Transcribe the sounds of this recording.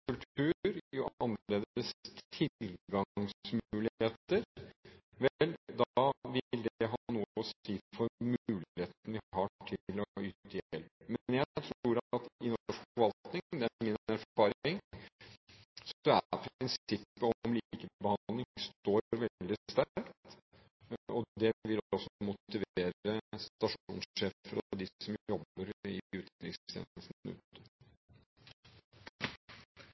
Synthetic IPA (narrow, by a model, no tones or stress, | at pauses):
kʰʉlt̪ʰʉːɾjʊʔɑnːleːd̪əst̪ʰɪllɡɑŋsmʉːlɪeːt̪əɾ | ʋɛld̪ɑʋɪlːd̪ɛɦɑnuːəɔsiːfɔɾmʉːlheːt̪n̩əʋɪhɑʈʰɪlɔyːt̪əɛlpmɛnjæɪt̪ʰɾuːɾt̪ɪnɔʂkɔʋɑlt̪nɪŋd̪ɛæɪŋːənæɾɑːɾɪŋ | sd̪ɛæpʰɾɪnsɪpːəɔmlikəbəhɑnd̪lɪŋstoːɾʋɛld̪ɪst̪ækt̪ | ɔd̪ɛʋɪlɔsːmʊtt̪ɪʋeːɾəst̪ɑʂṵːnsʂeːfəɾɔd̪ɪsɔmjɔbəɾɪ̰ʉːt̪ɾɪŋst̪ʰḛːnəlsn̩ʉ̰ːt̪ə